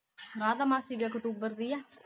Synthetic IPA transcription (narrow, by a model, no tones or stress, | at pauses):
ɾaːd̪amaːsiʋiəkʈ̪uːbəɾd̪ijaː